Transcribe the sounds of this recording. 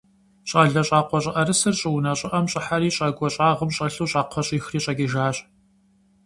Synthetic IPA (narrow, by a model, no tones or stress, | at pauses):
ɕʼaːɮɐɕʼaːqʷɔɕʼɪʔɐɾɨsɨrɕʼɪwʊnɐɕʼɪʔɐmɕʼɪħaɾiːɕʼɐːɡʷɔɕʼaːʁəmɕʼɐɬuːɕʼaːqʷʰɔɕʼixriːɕʼɐɡiʒaːɕʼ